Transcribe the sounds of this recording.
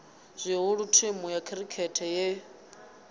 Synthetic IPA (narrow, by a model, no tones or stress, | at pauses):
zʷiɦuɺutʰemujakʰɛɾikʰɛtʰɛjɛ